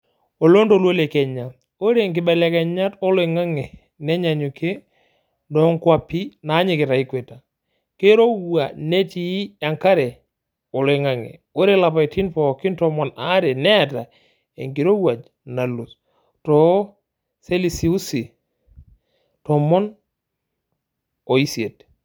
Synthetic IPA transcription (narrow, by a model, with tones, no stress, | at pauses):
o˨lo˦ndo˨lwo˦le˨kɛ˨ɲa˨ | o˦ɾe˨ŋk̬ɪ˨bɛ˨lɛ˨kɛ˨ɲa˦to˦lɔ˦ɪ˨ŋa˦ŋe˨ | nɛ˦ɲa˨ɲʊ˨ke˦ | ndɔ˦ŋkwa˨pːi˦na˨˦ɲe˨kɪ˨ta˨i˦kwe˨ta˨ | ke˦ɾo˦wa˨ne˦ti˦a˨ŋka˦ɾɛ˨ | ɔ˨lɔ˨i˨ŋa˦ŋḛ˨wo˦ɾe˦la˨pa˨i˨ti˦npɔ˨kɪ˦ntɔ˨mɔ˨na˦ɾɛ˨nɛ˦a˦ta˨ | ḛ˨ŋki˨ɾo˦wa˨d͡ʒ | na˨lu˨s | tɔ˨ | se˦li˨si˨˦u˦si˨ | tɔ˨mɔ˦n | o˨i˦sje˨t